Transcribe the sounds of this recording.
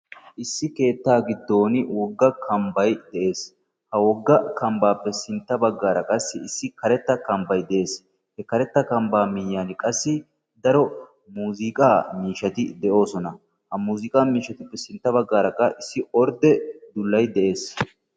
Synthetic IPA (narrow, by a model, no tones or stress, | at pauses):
ʔɪsːɪke̞ːt̪ːaːɡɪd̪ːo̞ːnwɔɡːɐkʰɐmbɐjd̪ɛʔe̞ːs | hɐwɔɡːɐkɐmbaːpːɛsɪnt̪ːɐbɐɡːaːɾɐkʼɐsːɪɪsːɪkɐɾɛt̪ːɐkɐmbɐjd̪ɛʔe̞ːs | hɛkɐɾɛt̪ːɐkɐmbaːmɪjːaːnɪkʼɐsːɪ | d̪ɐɾɔ | muːzɪkʼaːmiːʃɐt̪ɪd̪ɛʔo̞ːsɔnɐ | hɐmuːzɪkʼaːmiːʃɐt̪ɪpːɛsɪnt̪ːɐbɐɡːaːɾɐkːɐʔɪsːɪɔɾd̪ɛd̪ʊlːɐjd̪ɛʔe̞ːs